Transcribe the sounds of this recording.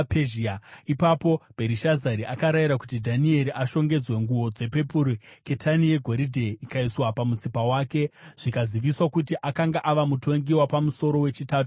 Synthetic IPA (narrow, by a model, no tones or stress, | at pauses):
peʒiaipapo̞b̥ʱe̞ɾiʃazaɾiʔakaɾaiɾakutidʱanie̞ɾiʔaʃo̞ŋɡe̞d͡zwe̞ŋɡuwo̞d͡ze̞pe̞puɾike̞tʰanije̞ɡʱo̞ɾidʱe̞ikaiswapamut͡sipawaːke̞ʐ̥ikaziʋiswakutiʔakaŋɡaʔaʋamutʰo̞ŋɡiwapamuso̞ɾo̞we̞t͡ʃitaːtu